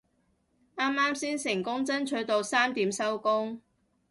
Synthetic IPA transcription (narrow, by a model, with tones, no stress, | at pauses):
aː˥mːaː˥msiː˥nsɪ˨˩ŋkʊ˥ŋt͡sɐ˥nt͡ʃʰɵ˨˥ɥt̪o˨˧wsaː˥mt̪iː˨˥msɐ˥wkʊ˥ŋ